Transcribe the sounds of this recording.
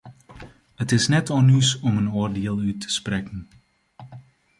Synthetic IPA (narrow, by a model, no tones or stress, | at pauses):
hətɪsnɛtɔlˠnysɔmənoːrdeəlˠytʰə̥sprɛkən